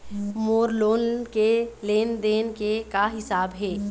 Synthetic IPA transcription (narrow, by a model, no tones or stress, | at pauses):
moːɾloːnkeleːnd̪eːnkekaɦɪsaːbɦɛː